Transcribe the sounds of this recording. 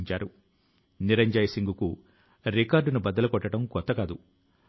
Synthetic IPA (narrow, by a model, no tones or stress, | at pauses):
ɲt͡ʃaːɾu | niɾɐɲd͡ʒɐjɐsiŋɡuku | ɾikaːɾɖunubɐd̪ɐlɐkɔʈːɐʈɐmkɔt̪ːɐkaːd̪u